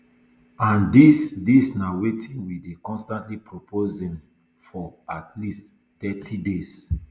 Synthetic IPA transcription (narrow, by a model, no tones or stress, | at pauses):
ãndisdisnawetʰĩnwidekɔ̃nstãntlipʰɹopʰozɛ̃m | fɔatʰlist | tɛtʰides